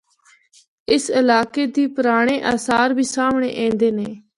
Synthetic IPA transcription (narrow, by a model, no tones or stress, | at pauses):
ɪsɪlaːkeːd̪iːpəɾaːɽ̃eːʔaːsaːɾbʱiːsaːmɳḛːʔẽːnd̪eːneː